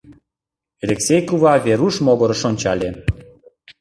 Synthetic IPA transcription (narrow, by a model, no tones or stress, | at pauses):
elʲeksʲejkuvɑvʲeɾuʃmoɣoɾəʃonʲt͡ɕɑlʲe